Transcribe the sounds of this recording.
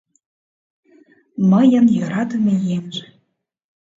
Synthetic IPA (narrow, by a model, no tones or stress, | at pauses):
məjə̆njøɾɑd̪ə̆mejemʒe